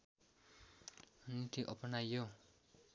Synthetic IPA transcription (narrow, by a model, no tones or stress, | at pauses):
nit̪iʔʌpʌnajːo